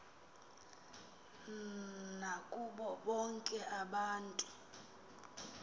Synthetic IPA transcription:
nakʼuɓɔɓɔŋkʼɛʔaɓaːntʼu

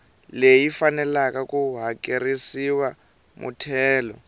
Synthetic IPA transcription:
lejifanɛlakakuɦakʼerisiwa | mṵtʰɛːlɔ

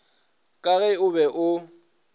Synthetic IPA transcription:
kʼaɣɛʊbɛʔʊ

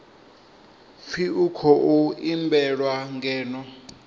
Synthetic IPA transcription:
fiukʰɔʔuimbɛɺwaŋɡɛːnɔ

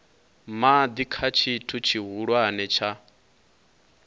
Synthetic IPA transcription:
mad̪ikʰat͡ʃʰitʰut͡ʃʰiɦuɺwanɛt͡ʃʰa

